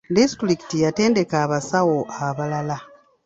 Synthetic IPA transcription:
distɾiki̥tijate̞ːnde̞kaːβasawoʔaβalala

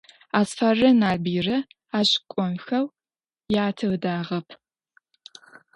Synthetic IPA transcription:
aːsfɐrɐnaːbiːrɐ | aːɕʼkʷʼɔnxɐw | jaːtʰɐwdaːʁɐpʰ

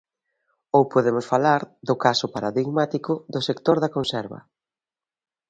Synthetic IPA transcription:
owpoðemʊsfalaɾðʊkasʊpaɾaðiɣmat̪ikʊðʊsekt̪oɾðɐkonsɛɾβɐ̰

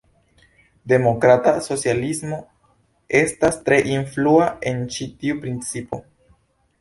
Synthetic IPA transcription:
de̞mo̞kɾataso̞t͡sjalismo̞ | e̞stastɾe̞ʔinfluae̞nt͡ʃitiupɾint͡sipo̞̰

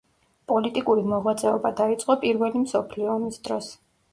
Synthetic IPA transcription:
pʼɔlit̪ʼikʼuɾimɔʁwat̪sʼɛɔbad̪ait̪sʼqʼɔpʼiɾvɛlimsɔpʰliɔːmisd̪ɾɔs

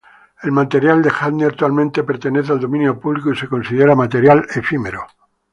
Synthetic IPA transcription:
e̞lmat̪e̞ɾjald̪e̞xad̪neak̚t̪walmẽnt̪e̞pe̞ɾt̪e̞neθeald̪o̞mĩnjo̞puβlikoise̞ko̞nsiðe̞ɾamat̪e̞ɾjale̞fime̞ɾo

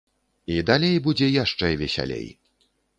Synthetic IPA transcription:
id̪alʲejbud͡zʲɛjaʂt͡ʂɛvʲɛsʲa̰lʲḛj

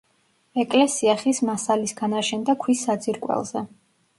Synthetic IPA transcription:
ɛkʼlɛsiaχismasalisɡanaʃɛnd̪akʰwisːad̪ziɾkʼwɛ̰lˠz̥ɛ

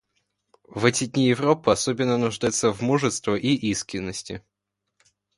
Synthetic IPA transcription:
vɛtʲɪdʲnʲijɪvɾopːɨɐsobʲɪnːənʊʐd̪ajɪt̪səvmuʐɨst̪vəʔiʔiskɾʲɪnːəsʲtʲɪ

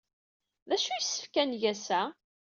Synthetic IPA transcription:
ðæʃujisːə̥fkænʝæsæ

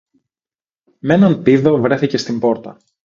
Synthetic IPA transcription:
menɐnpiðo̞vɾe̞θice̞st̪imbo̞ɾt̪ɐ

